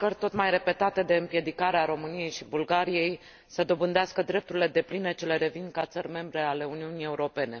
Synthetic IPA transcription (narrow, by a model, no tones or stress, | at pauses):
kərʲt̪o̞t̪majre̞pe̞t̪at̪e̞d̪e̞ɨmpje̞d̪ikaɾeaɾo̞mɨnije̞jʃibulɡaɾije̞j | səd̪o̞bɨnd̪easkəd̪ɾe̞p̚t̪uɾile̞d̪e̞pline̞t͡ʃe̞leɾe̞vinkat̪sərʲme̞mbɾe̞ale̞uniunije̞uɾo̞pe̞ne̞